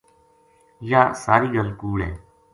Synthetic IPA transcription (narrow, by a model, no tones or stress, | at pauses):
jaːsaːɾiːɠəlkuːɽḛː